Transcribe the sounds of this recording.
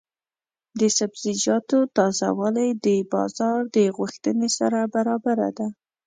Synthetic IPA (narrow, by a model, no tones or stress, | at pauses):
d̪əsabzɪd͡ʒɑt̪ot̪ɑza̰wɑlajd̪əbɑ̰zɑɾd̪əɣuxt̪ənesaɾabaɾɑbaɾa̰d̪a